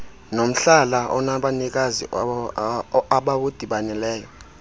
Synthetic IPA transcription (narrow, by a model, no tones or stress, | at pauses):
nom̩ɬalaɔ̰naɓanik̬azḭ | aɓawod̥ʱiɓanɛlɛːjɔ